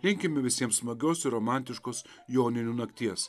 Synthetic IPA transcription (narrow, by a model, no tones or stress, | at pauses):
lʲɪŋʲkʲɪmʲɪʋʲɪsʲiɛmssmɐɡʲoːsɪɾoːmæˑnʲt̪ʲɪʃkoːs | joːnʲɪnʲuːnɐkt̪ʲiɛs